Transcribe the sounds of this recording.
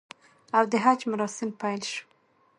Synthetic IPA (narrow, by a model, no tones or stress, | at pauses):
awd̪əɦad͡ʒmaɾɑsɪmpajlʃu̥